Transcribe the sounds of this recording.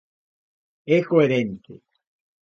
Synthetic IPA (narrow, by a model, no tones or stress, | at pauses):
ekoeɾent̪ḛ